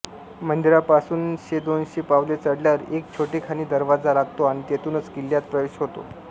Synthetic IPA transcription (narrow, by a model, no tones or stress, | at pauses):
mənd̪iɾapasuːnɕed̪onɕepaʋlet͡səɽljaɾek̚t͡ɕʰoʈekʰañiːd̪əɾʋad͡zalaɡt̪oaɽ̃it̪et̪uːnət͡sɡiljat̪̚pɾəʋeɕɦot̪o̰